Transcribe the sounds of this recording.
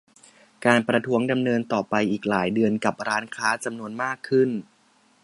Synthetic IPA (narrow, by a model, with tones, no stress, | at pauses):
kaː˧npɾa˧t̪ʰu˦˥əŋda˧mnɤː˧nt̪ɔː˨˩pa˧jʔiː˨˩k̚laː˩˦jdɯ˧ənka˨˩p̚ɾaː˦˥nkʰaː˦˥t͡ɕa˧mnu˧ənmaː˥˩kʰːɯ˥˩n